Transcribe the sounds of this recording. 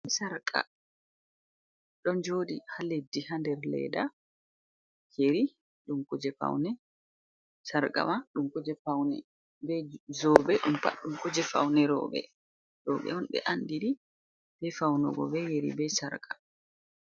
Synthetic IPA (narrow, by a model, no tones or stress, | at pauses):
saɾkʼa̰ | ɗɔnd͡ʒodihaledːihandɛɾlɛ̰da | jeɾi | ɗumkud͡ʒɛfa̰wnɛ | saɾkʼa̰maɗumkɔd͡ʒɛfawnɛ̰ | bɛzɔbɛɗumfa̰ɗumkɔd͡ʒɛfa̰wnɛɾɔ̰bɛ̰ | ɗɔɓɛ̰ɔnɓɛ̰ʔandiɾi | bɛfawnɔɡɔ̰bɛjeɾḭbɛsaɾkʰʼa